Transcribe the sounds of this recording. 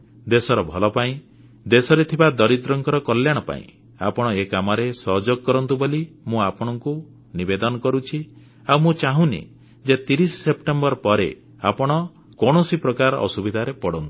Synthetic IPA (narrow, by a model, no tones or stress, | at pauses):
d̪esɔɾɔbʱɔlɔpaĩ | d̪esɔɾet̪ʰibad̪ɔɾid̪ɾɔŋkɔɾɔkɔljaɽ̃ɔpa̰ḭ̃ | a̰pɔɽ̃ɔekamɔɾesɔɦd͡ʒɔɡ̚kɔɾɔnt̪ubolimũapɔɽ̃ɔŋku | nibed̪ɔnɔkɔɾut͡ʃʰi | awmũt͡ʃaɦũnḭ | d͡ʒet̪iɾissepʈembɔɾɔpɔɾḛ | a̰pɔɽ̃ɔ | kɔɽ̃ɔsipɾɔkaɾɔ̰subid̪ʱaɾepɔɽɔnt̪u̥